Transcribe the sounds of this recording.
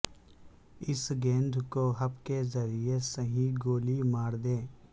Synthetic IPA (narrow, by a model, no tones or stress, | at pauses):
ɪsɡẽːnd̪ʱkoɦɐbkezəɾijesəɦiɡoːlimaːɾd̪ẽː